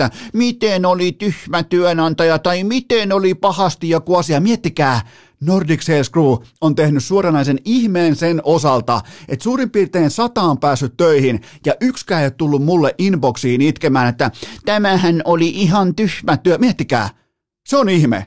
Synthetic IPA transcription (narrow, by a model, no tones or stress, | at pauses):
æmit̪enolit̪yhmæt̪yønɑnt̪ɑjɑt̪ɑimit̪enolipɑhɑst̪ijokuɑsiɑmiet̪ːikæː | nordikselskruːont̪ehnyssuorɑnɑisenihmeːnsenʔosɑlt̪ɑ̰ʔet̪suːrimpirt̪eːnsɑt̪ɑːmpæːsːyt̪tøihin | jɑʔykskæiett̪ulːummulːeʔinboksiːinit̪kemæːnet̪ːæt̪æmæhænoliʔiɦɑnt̪yhmæt̪yømiet̪ːikæ̰ː | seonihmḛ